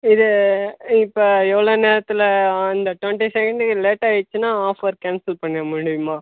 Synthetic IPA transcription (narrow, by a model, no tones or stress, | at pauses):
ɪðɯ | ɪpːoːɛʋːɐɭoːneːɾɐt̪ːɪlɐɐnd̪ɐʈʋɛɳʈisɛkɐɳɖɯkɯleːʈːaːɪt͡ʃːɯnãːaːfɐɾkaːnsɪlpɐɳːɐɐmʊɽɪjɯmaː